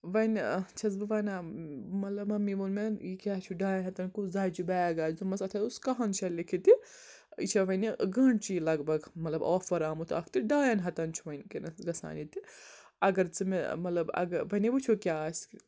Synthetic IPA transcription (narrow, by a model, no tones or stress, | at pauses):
ʋɐnt͡ʃʰɐzbɨʋɐːnamɐt̪lɐbɐmiʋunmenikʲaːt͡ʃʰuɖaːjɐnʲɦɐt̪ɐnkuzaːt͡ʃubaːɡaːd͡ʒzumɐsɐt̪ʰɐuskɐɦɐnt͡ʃʰɐlikʰit̪i | ḭt͡ʃʰɐʋɐniɡɐɳɖt͡ʃilɐɡbɐɡmɐt̪lɐboːfɐɾaːmut̪ʰa̰ːkʰt̪iɖaːjɐnʲɦɐt̪ɐnt͡ʃʰuʋɐnʲkinɐsɡɐsa̰ːnit̪i | ɐɡɐɾt͡sɨmemɐt̪lɐbɐ̰ɡɐʋɐnibɨt͡ʃʰukʲaːsʲ